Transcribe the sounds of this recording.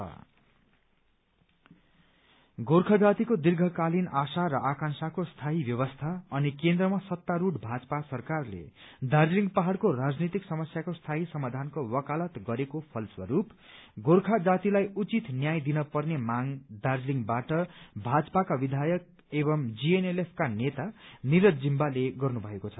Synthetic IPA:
ʌ̰ | ɡorkʰad͡zat̪ikod̪irɡʱʌkalinasaɾʌʔakãnsakost̪ʰaɦibjʌβʌst̪ʰaʌnikend̪rʌmasʌt̪ːaɾuʈbʱad͡zpasʌrkarlḛd̪arliŋpaɦaɽkorad͡znit̪iksʌmʌsjakost̪ʰaɦisʌmad̪ʱankowʌkalʌt̪ɡʌɾekopʰʌlswʌɾup | ɡorkʰad͡zat̪ilajut͡sit̪njajd̪inʌpʌrnemaŋd̪arliŋɡbaʈʌbʱad͡zpakabid̪ʱajʌk̚ | eβʌmd͡zienelepʰkanet̪aniɾʌd̪d͡zimbaleɡʌrnubʱʌekot͡sʰʌ

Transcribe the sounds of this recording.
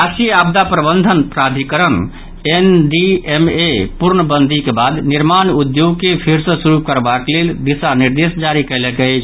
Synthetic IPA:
asijab̚d̪apɾəbənd̪ʱənpɾad̪ʱikəɾən | enɖiemepuɾnəbənd̪ʱikebad̪niɾmanud̪joɡ̚kepʰiɾsə̃suɾup̚kəɾbakeleld̪isaniɾd̪esd͡ʒaɾikəɪlɛkət͡ʃʰ

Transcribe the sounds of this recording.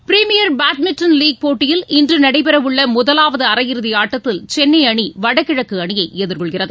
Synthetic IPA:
pɾimɪjɐɾbaːʈmɪʈːɐnliːɡ̚poːʈːɪjɪlɪndrɯnɐɽɐɪpɛɾɐʋɯɭːɐmʊðɐlaːʋɐðɯɐɾɐjɪɾɯðɪaːʈːɐt̪ːɪlt͡ʃɛnːɐɪɐɳiʋɐɽɐkːɪɻɐkːɯɐɳɪjɐɪɛðɯɾkɔɭɣɪrɐðɯ

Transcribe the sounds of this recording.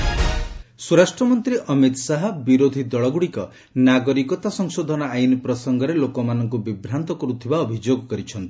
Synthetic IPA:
suɾasʈɾɔmɔnt̪ɾiʔɔmit̪saɦɔbiɾod̪ʱid̪ɔɭɔɡuɽikɔ | naɡɔɾikɔt̪asɔŋsod̪ʱɔnɔajnipɾɔsɔŋɡɔɾelokɔmanɔŋkubibɾant̪ɔkɔɾut̪ʰibaɔbʱid͡ʒoɡɔkɔɾit͡ʃʰɔnt̪i

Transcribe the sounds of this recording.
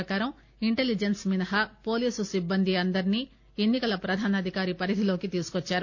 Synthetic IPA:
ɐkaːɾɐm | iɳʈe̞lid͡ʒensminɐɦɐpo̞ːliːsusibːɐnd̪iɐnd̪ɐɾiniː | e̞nːikɐlɐpɾɐd̪ʱaːnɐd̪ʱikaːɾipɐɾid̪ʱilo̞ːkit̪iːsu̥kot͡ʃːaːɾu

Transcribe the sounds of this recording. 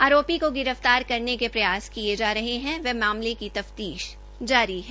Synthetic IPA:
aːɾoːpikoɡɪɾəft̪aːɾkɐɾnekepɾɐjaːskied͡ʒaːɾɐɦeɦɛ̃ʋɛmaːmlekit̪ɐft̪iːʃ | d͡ʒaːɾiɦɛ

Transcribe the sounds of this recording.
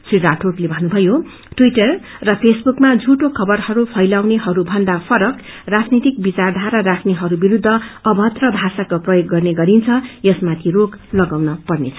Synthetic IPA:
sriɾaʈʰoʈlebʱʌnːubʱʌjo | ʈwiʈʌrː | ʌpʰesbukmad͡zʱuʈokʰʌbʌrhʌɾupʰʌjlawneɦʌɾubʱʌnd̪apʰʌɾʌk | rad͡znit̪ik̚bit͡sard̪ʱaɾaɾakʰneɦʌɾubiɾud̪ʱːʌʌbʱʌt̪rʌbʱasakoprʌjoɡːʌrneɡʌɾint͡sʰʌjʌsmat̪ʰiroɡlʌɡawnʌpʌrnet͡sʰʌ

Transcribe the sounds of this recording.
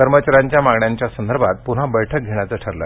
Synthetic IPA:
əɾmət͡ɕaɾaɲt͡ɕjamaɡɳjaɲt͡ɕjasənd̪ʱəɾbʱat̪̚punɦabəjʈʰək̚ɡʱeɳ̃jat͡səʈʰəɾlə̰

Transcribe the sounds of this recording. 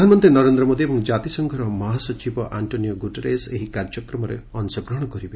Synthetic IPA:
dʱanmɔnt̪enɔɾend̪ɾɔmod̪iebɔŋd͡ʒat̪isɔŋɡʱɔɾɔmɔɦasɔt͡ʃibɔʔaɳʈonijɔɡuʈeɾeseɦikaɾd͡ʒɔkɾɔmɔɾḛɔnsɔkɾɔɽ̃ɔkɔɾibe

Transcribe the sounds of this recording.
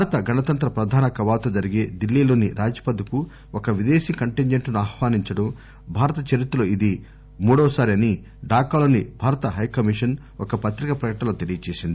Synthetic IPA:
bʱaːɾɐt̪ɐɡʱɐnɐt̪ɐnt̪ɾɐpɾɐd̪ʱaːnɐkɐʋaːt̪ɐd͡ʒɐɾiɡe̞ːd̪ilːiːlo̞ːniɾʔaːd͡ʒi̥pɐd̪ɐku | ɔkɐʋid̪eːsikɐɳʈiɲd͡ʒeɳʈnuaːhʋaːniɲt͡ʃɐɽɐm | bʱaːɾɐt̪ɐt͡ʃɐɾit̪ːɐloːid̪i | muːɽɔːsaːɾiɐni | ɖaːkaːlo̞ːnibʱaːɾɐt̪ɐɦɐjkɐmiʂɐn | ɔkɐpɐt̪ɾikɐpɾɐkɐʈnɐloːt̪e̞lijɐt͡ʃe̞ːsind̪ii

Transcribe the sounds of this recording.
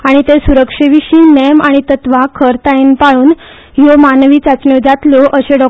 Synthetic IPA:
aɽ̃it̪esuɾəkʂeʋiɕiːnemaɽ̃it̪ət̪ʋakʰəɾt̪ainpaɭuːn | jomanʋiːt͡sat͡sɳjod͡zat̪loʔəɕeɖɔ

